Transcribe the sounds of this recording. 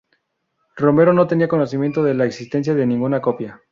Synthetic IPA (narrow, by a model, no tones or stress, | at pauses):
ro̞me̞ɾo̞no̞t̪e̞niako̞no̞simje̞nt̪oðe̞laeksist̪e̞ns̬jaðenĩŋɡunako̞pja